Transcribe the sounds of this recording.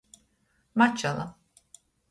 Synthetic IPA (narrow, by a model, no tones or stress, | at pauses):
mat͡ʃːalˠam